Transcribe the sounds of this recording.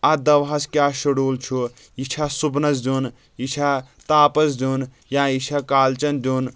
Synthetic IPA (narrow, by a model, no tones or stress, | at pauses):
ad̪ɐʋɦaskjaʃuɽuːlt͡ʃʰu | it͡ʃʰasubnɐzd͡ʒun | it͡ʃʰat̪aːpɐsd͡ʒun | jãit͡ʃʰakaːlt͡ʃɐnd͡ʒun